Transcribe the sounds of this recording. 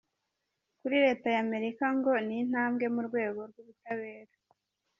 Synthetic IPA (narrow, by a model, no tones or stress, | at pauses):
kuɾiɾe̞ːtajame̞ɾikaŋɡo̞nin̥haːmɡe̞muɾɡwe̞ːɡo̞ɾɡuβutaβe̞ːɾa